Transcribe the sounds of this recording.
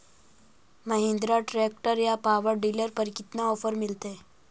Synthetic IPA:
mɐɦẽnd̪ɾaʈɾeːk̚ʈəɾjapaːʋəɾɖiːləɾpəɾkɪt̪naɔːfəɾmɪlt̪e

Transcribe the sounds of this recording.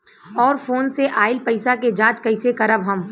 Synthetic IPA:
ɔːɾfoːnseʔaːɪlpɐɪsaked͡ʒãːt͡ʃkɐɪsekɐɾəbɦɐm

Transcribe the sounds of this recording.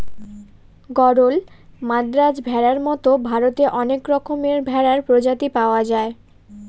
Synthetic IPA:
ɡɔɾol | mad̪ɾad͡ʑbʱɛɾaɾmɔt̪obʱaɾot̪eʔɔnekɾɔkʰomeɾbʱɛɾaɾpɾod͡ʑat̪ipaoad͡ʑae

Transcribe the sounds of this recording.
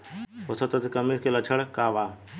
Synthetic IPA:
osɐt̪ɐt̪kɐmiskelɐt͡ʃʰəɽkaːʋaː

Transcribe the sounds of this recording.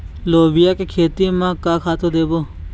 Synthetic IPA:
loːʋɪjaːkekʰeːt̪iːmãːkaːkʰaːt̪oːd̪eːboː

